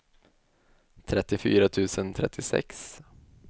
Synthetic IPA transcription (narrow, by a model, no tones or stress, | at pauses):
t̪ʰɾɛt̪ːɪfy̰ːɾat̪ʰʉ̟ːsənt̪ʰɾɛ̰t̪ʰːɪsɛ̰ks